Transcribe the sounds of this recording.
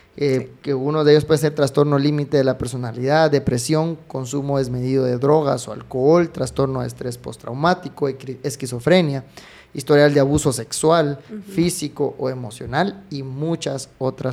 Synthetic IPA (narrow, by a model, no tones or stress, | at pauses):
ekeunoðeeʝospwees̬eɾt̪ɾast̪o̞ɾno̞limit̪e̞ðelape̞ɾso̞naliðad̪e̞pɾe̞sjo̞ŋko̞nsumoðe̞zme̞ðiðoðe̞ðɾo̞ɣasoa̰lkoolt̪ɾast̪o̞ɾno̞ḛst̪ɾe̞spo̞̰st̪ɾa̰wmat̪ikoeskiso̞fɾe̞nja | ist̪o̞ɾjald̪eaβuso̞se̞kswalfisikoʔoe̞mo̞sjonalimut͡ʃasot̪ɾas